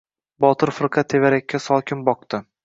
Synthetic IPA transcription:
bɒt̪ʰɨɾfɨɾqʰɑt̪ʰːevaɾakʲːasɒkʲʰɪnbɒq̚d̪ɪ

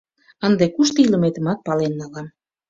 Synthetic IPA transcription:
ənd̪ekuʃt̪ɤiləmet̪ə̆mɑt̪̚pɑlenːɑlɑm

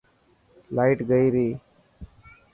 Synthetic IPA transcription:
laːɪʈɡəiːɾiː

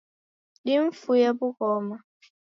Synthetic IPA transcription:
dɪm̩fujebʊkɔma

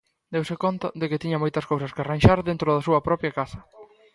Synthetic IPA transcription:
d̪ewsɪkont̪ɐðɪkɪt̪iɲɐmojt̪ɐskowsɐskɪaranʲʃaɾðent̪ɾʊðɐsuɐpɾɔpjɐkasɐ

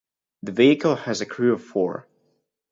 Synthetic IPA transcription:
ðɨviɨkl̩ˠɨzɨkʰɹ̥ʉʌv̥fɔɹ

